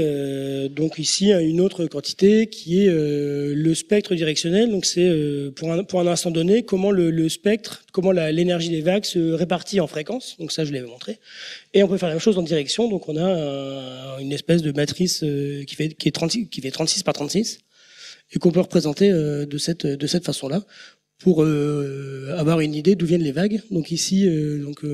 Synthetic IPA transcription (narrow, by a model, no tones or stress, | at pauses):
ød̪ɔ̃kisiɛynot̪χəkɑ̃t̪i̥t̪ekʲʰiɛøləspɛk̚t̪χəd̪iʁɛksjɔnɛld̪ɔ̃ksɛøpuʁɛ̃puʁɛ̃nɛ̃st̪ɑ̃d̪ɔnekɔmɑ̃lələspɛk̚t̪χkɔmɑ̃lalenɛʁʒid̪evaksəʁepaʁt̪iɑ̃fχekɑ̃sd̪ɔ̃ksaʒəlevmɔ̃t̪χeeɔ̃pøfɛʁlamɛmʃozɑ̃d̪iʁɛksjɔ̃d̪ɔ̃kɔ̃naɛ̃ynɛspɛs̬d̪əmat̪χisøkʲi̥fɛkʲiɛt̪χɑ̃t̪sikʲi̥fɛt̪χɑ̃t̪si̥spaʁt̪χɑ̃t̪sis | ekɔ̃pøʁəpχezɑ̃t̪eød̪əsɛt̪ød̪əsɛt̪fasɔ̃la | pʰuʁø | avwaʁynid̪ed̪uvjɛnlevaɡd̪ɔ̃kisiød̪ɔ̃kø